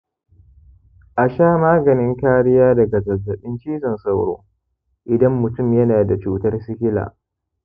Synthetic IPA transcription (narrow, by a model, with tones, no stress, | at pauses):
ʔa˨ʃaː˦˨maː˦ɡɐ˨nɪ˦ŋkaː˦ɽɪ˦jaː˦dɐ˨ɡa˨zɐ˨zːɐ˨ɓɪ˦nt͡ʃiː˦zɐ˨nsɐ˦˨wɽo̰ː˦ | ʔɪ˨dɐ˦mːʊ˨tʊ˦˨mjɐ˦naː˨da˨t͡ʃuː˦tɐ˦rsɪ˦kʲɪ˦la̰ː˨